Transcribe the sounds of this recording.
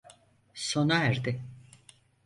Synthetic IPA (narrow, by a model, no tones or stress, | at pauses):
sonaæɾd̪ɪ